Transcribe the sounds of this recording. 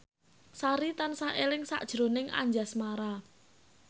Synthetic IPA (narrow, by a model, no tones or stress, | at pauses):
saɾit̪ansaelɪŋsa̰ʔd̥ʒ̥ɾonɪŋʔa̰ɲd͡ʒasmaɾa